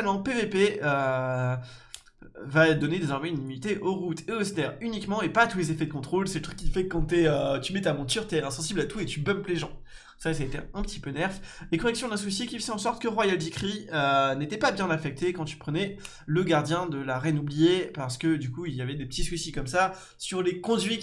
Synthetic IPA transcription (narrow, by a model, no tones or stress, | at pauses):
lmɑ̃pevepeø | vad̪ɔned̪ezɔʁmɛ̃ynimynit̪eʔoʁut̪ʰeost̪ɛʁynikmɑ̃epat̪ulezefɛd̪əkɔ̃t̪χolsɛlət̪χykːʲifɛkkːɑ̃t̪ɛøt̪ymɛt̪amɔ̃t̪yʁt̪ɛɛ̃sɑ̃siblat̪uet̪ybœmpleʒɑ̃ | sasaet̪ḛɛ̃pət̪i̥pønɛʁflekɔʁɛksjɔ̃d̪ɛ̃swisikʲifzɛɑ̃sɔʁt̪̚kəʁwajaldikχiənet̪ɛpabjɛ̃nafɛk̚t̪ekɑ̃t̪y̥pχənɛ | ləɡaʁd̪jɛ̃d̪əlaʁɛnublijepaʁsə̥kəd̪ykuiljavɛd̪epət̪iswisikɔmsa | syʁlekɔ̃d̪ɥi